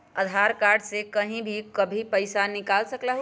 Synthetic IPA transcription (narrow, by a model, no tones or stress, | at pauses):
əd̪ʱaɾkaɾɖsekəɦĩbʱikəbʱipəɪsanɪkaːlsəklaɦ